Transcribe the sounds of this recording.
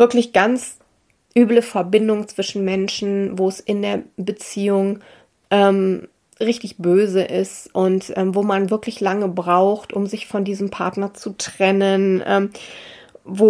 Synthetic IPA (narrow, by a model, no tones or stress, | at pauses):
vɪɐklɪçɡ̥ant͡s | ʔyːbləfɛɐbɪndʊŋt͡sv̥ɪʃn̩mɛnʃn̩voːɛsʔɪndeːɐbət͡siːʊŋ | ʔɛːm | ʁɪçtɪçb̥øːzəʔɪstʔʊntʔɛ̰ːmvoːmanvɪɐklɪçlaŋəbʁaʊxtʔʊmzɪçfɔndiːzəmpʰaɐtnɐt͡sutʁ̥ɛnənʔɛ̰ːm | voː